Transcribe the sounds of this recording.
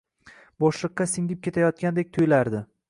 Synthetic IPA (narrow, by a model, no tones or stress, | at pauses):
bɒʃlˠɨqːɑsɪŋʲɪp̚kʲʰe̞t̪ʰajɒt̪̚kʲand̪ek̚ʲt̪ʰʊjlaɾd̪ɪ